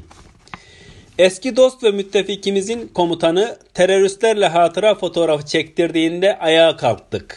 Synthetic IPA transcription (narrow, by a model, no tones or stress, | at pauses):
ɛscid̪o̞st̪vɛmyt̪ʰːeficimizinkʰo̞mut̪ʰanɯt̪ʰeɾo̞ɾyst̪lʲæɾlʲɛɦaːt̪ʰɯɾafo̞t̪ʰo̞ɾafɯ̥t͡ʃʰɛct̪ʰiɾd̪iːnd̪ɛʔajaːkʰalˠt̪ʰːɯk